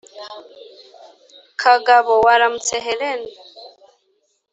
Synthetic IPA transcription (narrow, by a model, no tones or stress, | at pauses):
kʰaɡaβɔwaɾam̩t͡sɛɦɛlɛn